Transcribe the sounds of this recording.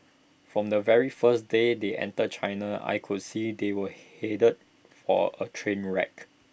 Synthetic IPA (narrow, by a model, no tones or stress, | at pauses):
fɹɔ̃mdəvɛɹifəsdedeʔɛ̰̃ntəd̚t͡ʃʰaɪnaa̰jkʰʊd̚sidewəhedəd̚ | fɔ̰ə̰tʰɹẽnɹɛ̰k